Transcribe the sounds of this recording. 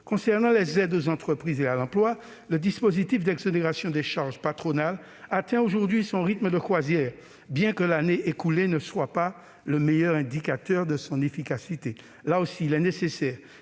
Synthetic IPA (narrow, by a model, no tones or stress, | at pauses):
kɔ̃sɛʁnɑ̃lɛzɛd̪ozɑ̃t̪χəpχizealɑ̃plwa | ləd̪ispozit̪ifd̪ɛɡzoneʁasjɔ̃d̪ɛʃaʁʒpat̪χonal | at̪ɛ̃oʒuʁd̪ɥisɔ̃ʁit̪məd̪əkwazjɛːʁ | bjɛ̃kəlaneʔekulenəswapa | ləmejœʁɛ̃d̪ikat̪œʁd̪əsɔ̃nefikasit̪e | laosiːlɛnesesɛːʁ